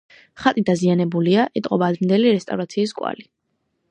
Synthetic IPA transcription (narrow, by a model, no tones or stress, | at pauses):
χat̪ʼid̪azianɛbuliaʔɛt̪ʼqʼɔbaːd̪ɾnd̪ɛliɾɛst̪ʼavɾat̪sʰiːskʼwa̰li